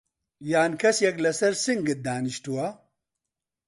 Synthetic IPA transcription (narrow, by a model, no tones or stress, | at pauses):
jaːnkʰɐsjɐklɐsɐɾsiŋɡit̪̚d̪aːniɕtuwɐ